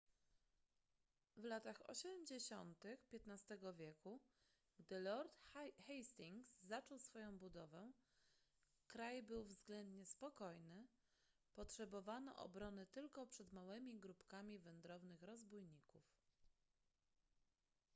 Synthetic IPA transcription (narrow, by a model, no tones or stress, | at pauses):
vlat̪axɔ̰ɕɛmd͡ʑeɕɔnt̪ɘxpʲjɛt̪nast̪ɛɡɔvʲjɛku | ɡd̪ɘlɔɾt̪xɛjst̪iŋɡsːat͡ʂɔwsfɔjɔ̃w̃bud̪ɔvɛ | kɾajbɘwvzɡlɛnd̪ɲɛspɔkɔjnɘ | pɔtʂɛbɔvanɔ̰ʔɔ̰bɾɔnɘt̪ɘlkɔpʂɛd̪mawɘmʲiɡɾupkamʲivɛnd̪ɾɔvnɘxɾɔzbujɲikuf